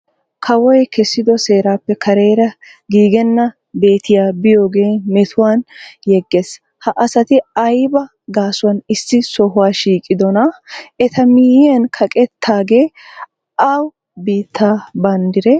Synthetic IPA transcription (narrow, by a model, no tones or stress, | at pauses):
kʰɐwɔjkʰɛsːɪd̪ɔse̞ːɾaːpːɛkʰɐɾe̞ːɾɐ | ɡiːɡɛnːɐ | be̞ːt̪ɪjaːbɪjo̞ːɡe̞ːmɛt̪ʰʊwaːnjɛɡːeːs | hɐʔɐsɐt̪ɪɐjbɐ | ɡaːsʊwɐnɪsːɪsɔɦʊwaːʃiːkʼɪd̪ɔnɐɛt̪ɐmiːjɪɐnkʰɐkʼɛt̪ːaːɡe̞ː | ʔɐw | biːt̪ʰːaːbɐnd̪ɪɾɛ